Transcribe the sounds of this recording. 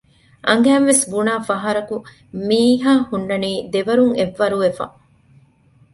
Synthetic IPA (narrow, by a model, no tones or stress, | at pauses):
ʔɐŋɡæːnʋesbunaːfɐɦɐɾɐku | miːɦaːhunːɐniːd̪eʋɐɾuŋeʋːɐɾuʋefɐ̰